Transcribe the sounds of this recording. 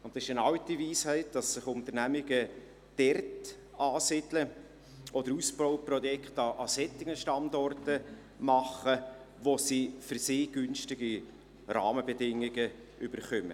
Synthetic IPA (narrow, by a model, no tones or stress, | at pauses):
ʊntdɑsɪʃənɑwtiviːshɛɪt̚d̥ɑsːɪχʊntəɾnæmɪɡə | d̥ɛrt | ɑːsɪdlə | ʔɔdəɾusb̥ɔʊprɔjɛkχtɑʔɑsɛtːɪɡəʃtɑndɔrtə | mɑχə | ʋosifʏɾsɪːɡ̥ʏnstɪɡi | ɾɑ̰ːməbɛdɪŋːɪɡə | ʔʏbəɾχœmə̰